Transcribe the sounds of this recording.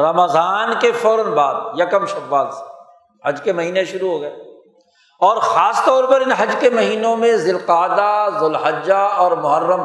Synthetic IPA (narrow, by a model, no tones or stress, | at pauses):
ɾɐməzaːnkefɔːɾənbaːd̪jɐkəmʃɐbaːd̪se̥ | ɦɐd͡ʒkemɐɦiːneʃʊɾuɦoːɡɐeː | ɔːɾxaːst̪ɔːɾpɐɾɪnɦɐd͡ʒkemɐɦiːnõmẽzɪlqaːd̪azʊlɦɐd͡ʒaɔːɾmʊɦəɾːəm